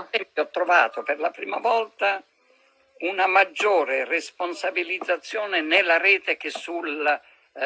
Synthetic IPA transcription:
nt̪ɛmpjɔt̪ːɾova̰ːt̪operlapɾiːma̰vɔlt̪a | unamad͡ʒːoːɾeresponsabilid̪zːat̪sːjoːnenɪlːaɾɛːt̪ek̟esːul

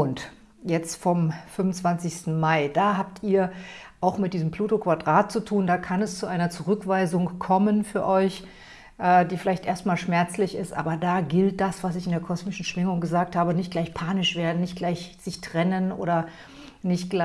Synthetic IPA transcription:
ʔʊnt | jɛt͡stfɔmfʏmʊnt͡sv̥ant͡sɪçstn̩maɪdaːɦaːp̚tʰiːɐ | ʔaʊxmɪt̚d̥iːzəmpl̥uːtokv̥adʁaːt̚t͡sutʰuːndaːkʰanɛst͡suʔaɪnɐt͡suʁʏkv̥aɪzʊŋkʰɔmənfyːɐʔɔʏç | ʔɛːdiːfɪlaɪçtʔeːɐstmaːlʃmɛɐt͡slɪçɪstʔa̰ːbɐdaːɡɪlt̚d̥asv̥asɪçɪndeːɐkʰɔsmɪʃn̩ʃv̥ɪŋʊŋɡəzaːk̚thaːbənɪçt̚ɡ̥laɪçpʰaːnɪʃv̥eːɐdn̩nɪçt̚ɡ̥laɪçz̥ɪçtʁ̥ɛnənʔo̰ːɾɐ | nɪçtɡ̥la

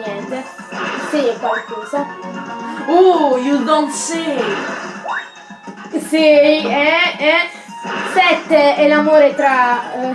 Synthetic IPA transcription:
ɛnt̪e | siɛkwalkɔːza | ujud̪õnt̪si | siiɛɛ | sɛt̪ːeɛlamoːɾet̪ɾa

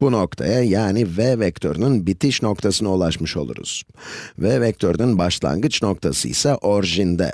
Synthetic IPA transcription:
b̥uno̞kt̪ʰa̰jajaːnivɛvɛkt̪ʰøɾnɯnbit̪ʰiʃno̞kt̪ʰasɯnaulˠaʃmɯʃo̞lˠṵɾṵz̥vɛvɛk̚t̪ʰøɾnynbaʃlˠa̰ŋɡɯt͡ʃno̞kt̪ʰasɯisaʔoɾʒind̪ɛ̰

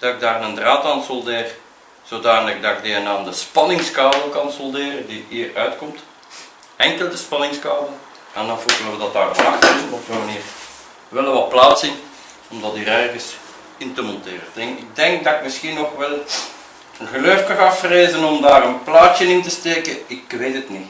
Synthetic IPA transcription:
d̥ɑɪɡ̚daːrnəndraːtaːnsɔlˠdeːr | z̥oːdaːnələɣdɑɪɡ̚diɛnaːndəspɑnɪŋskaːbəlˠkɑnsɔlˠdeːrəndiɦiːrœɥtkɔmt | ɛŋkəlˠdəspɑnɪŋskaːbəl | ɛndɑnvordoːʋədɑtaːrəɑxtɪsənɔpsoːmɑniːr | ʋɛlˠəʋɑt̚plaːtsɪn | ɔmdɑtiːɾɛrɣəs | ɪntəmɔntḛːrətɪŋɪɡ̚dɛŋk̚dɑɪkmɪsxinːɔxʋɛlˠ | ənɣəløkəɣɑfreːzənɔmdaːɾənplaːtjənɪntəsteːkəɪkʋeːtətni

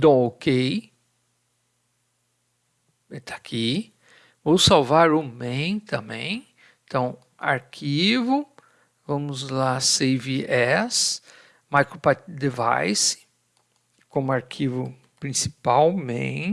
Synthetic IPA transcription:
d̪õw̃okej | et̪ʰḁkʰi | vowsawvaɾʊmẽj̃t̪ɐ̃bḛ̃j̃ | t̪ʰɐ̃w̃ | a̰ɾkʰivʊ | vɐ̃mʊzlaseviɛs | majkɾopat̪d̪eva̰jsɪ̥ | kõmʊaɾkʰivʊ | pɾĩsipawmḛ̃j̃

